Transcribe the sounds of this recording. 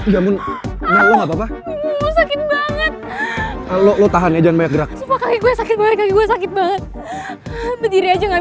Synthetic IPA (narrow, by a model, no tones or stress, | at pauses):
d͡ʒamʊnnalɔŋapapasakɪt̪̚baŋət̪̚ | lolot̪aɦanjad͡ʒanbajak̚ɡəɾak̚supakaɡiɡuasakɪt̪̚baŋət̪̚kaɡiɡuɛsakɪt̪̚baŋət̪̚ | bədiɾiad͡ʒaŋa